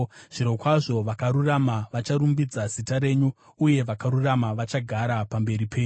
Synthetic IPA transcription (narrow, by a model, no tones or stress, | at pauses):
ʐ̥iɾo̞kwaʐo̞ʋakaɾuramaʋat͡ʃaɾumbid͡zazitaɾe̞ːɲuː | je̞ʋakaɾuramaʋat͡ʃaɡʱaɾapambe̞ɾipʰe̞ːɲ